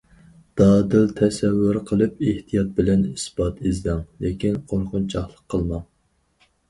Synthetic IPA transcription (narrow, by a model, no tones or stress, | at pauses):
d̪̥ɑːd̪ɪlt̪ʰɛsɛvːʊɾqʰəlˠɨpeht̪ʰijɑt̪̚bɪlɛnisbɑt̪ɪzd̪ɛŋlekʲinqʰoɾqʊnt͡ʃʰɑχlˠəqʰːəlˠmɑŋ